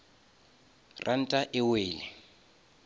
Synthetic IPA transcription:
rʔan̩tʼaʔɪweːlɪ

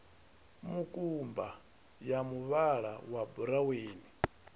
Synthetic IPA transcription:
mukʼumba | jamuβaɺa̰wabuɾaweːni

